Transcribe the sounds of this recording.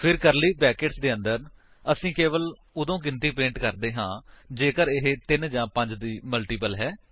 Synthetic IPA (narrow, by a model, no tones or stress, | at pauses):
pʰɪɾkəɾliːbɛːkeːʈsd̪eːə̃nd̪əɾ | əsĩːkeːʋəl | ʊd̪õːk̬ɪnt̪iːpẽːɳʈkəɾd̪eːɦãːd͡ʒeːkəɾɪɦeːt̪ɪnd͡ʒãːpə̃ɲd͡ʒd̪iːməlʈiːpəlɦɛː